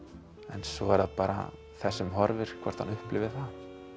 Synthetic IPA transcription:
ɛnsɔɛɾðapaːɾa̰ | θɛsːɛmɦɔɾvɪɾ̥kʰvɛɾ̥t̪hanʏhplɪvɪθa

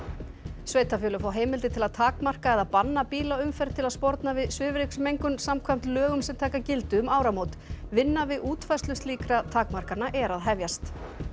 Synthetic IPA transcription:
sveːjt̪afjʏːlʏfawɦeːjmɪlt̪ɪt̪ʰɪlaðt̪ʰaːkmar̥kaɛðaðpanːapiːlaʏmfɛɾ̥t̪ʰɪlaðspɔɾt̪navɪðsvɪːvɾɪksmejŋkʏmsamkʰvajm̥t̪lœːɣʏmsɛmt̪ʰaːjkacɪlt̪ʏʏmaːwɾamoːwt̪vɪnːavɪðʔuːt̪fajst̪lʏst̪liːkɾat̪ʰaːkmar̥kaɾnaʔɛɾaðɦɛvjast̪

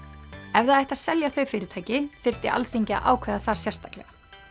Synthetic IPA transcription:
ɛvðaðɛht̪aðsɛljaθœɥfɪːɾɪt̪ʰaːjcɪfɪr̥t̪ɪ̰ʔa̰lθeɲcɪa̰ʔa̰ːwkʰvɛðaθasjɛ̥st̪aklɛ̰ɣa

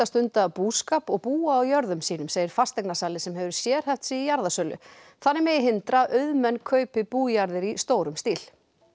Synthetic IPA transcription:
ast̪ʏnt̪aːpuːskaːpɔɣpuːaːwjœɾðʏmsiːnʏmseːjɪɾ̥fast̪ɛjknasaːlɪsɛmɦɛvʏɾsjɛːɾ̥θɛft̪sɪijaɾðasœlʏ̰ | θanːɪmɛjɪɦɪnt̪ɾaʔœðmɛnkʰœːɥpɪpuːjaɾðɪɾist̪oːwɾʏmst̪iːl

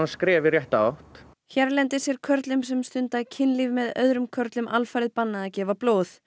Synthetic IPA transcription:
anskɾɛːvɪrjɛht̪aawht̪ | çɛɾlɛnt̪ɪsjɛɾ̥kʰœɾt̪lʏmsɛmst̪ʏnt̪acʰɪnlivmɛðœ̰ðɾʏmkʰœɾt̪lʏmʔalfajɾɪðpanːaacɛːvaploːθ

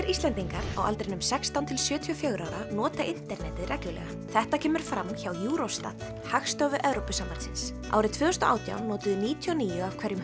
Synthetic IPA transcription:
ɾʔist̪ɛnt̪iŋkaɾa̰wʔalt̪ɾɪnʏmsɛkst̪awnt̪ʰɪlsjʏːt̪ʰiɔfjœːɥɣɾaːwɾanɔːt̪aʔɪn̥t̪ɛɾnɛːt̪ɪðrɛklʏlɛ̰ɣa | θɛht̪acʰɛːmʏɾ̥fɾamçawjuːɾost̪a̰t̪ | haxst̪œvʏʔɛvɾowpʏsamvaɾt̪sɪns | a̰wɾɪðt̪ʰvʏːðʏst̪ɔʔa̰ːwt̪ja̰wnnɔːt̪ʏðʏniːt̪ʰjɔniːjʏav̥kʰvɛɾjʏm

